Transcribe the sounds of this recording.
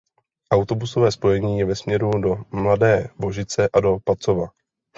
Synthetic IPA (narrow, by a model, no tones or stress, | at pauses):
ʔawt̪o̞buso̞vɛːspo̞jɛɲiːjɛvɛsmɲɛɾudo̞mladɛːvo̞ʒɪt͡sɛʔado̞pat͡so̞va